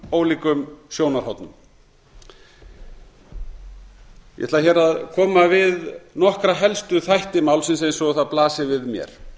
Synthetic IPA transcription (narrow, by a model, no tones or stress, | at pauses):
oːwliːkʏmsjoːwnaɾ̥hawt̪nʏm | jɛ̰t̪laçɛɾaðkʰɔːmavɪðnɔhkɾaɦɛlst̪ʏθajht̪ɪmaːwlsɪns̬ejnsɔɣɔθaðplaːsɪvɪðmjɛ̰ɾ̥